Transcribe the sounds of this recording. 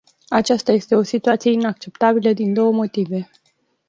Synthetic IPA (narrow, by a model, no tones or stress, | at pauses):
at͡ʃast̪aje̞st̪e̞o̞sit̪uat̪sijeinak̚t͡ʃe̞pt̪abiləd̪ind̪o̞wəmo̞t̪ive̞